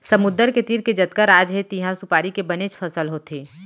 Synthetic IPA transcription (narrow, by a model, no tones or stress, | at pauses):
sɐmʊd̪əɾket̪iːɾked͡ʒɐt̪kəɾaːd͡ʒɦet̪iɦãsʊpaːɾikebɐnet͡ʃfʰɐsəlɦoːt̪ʰeː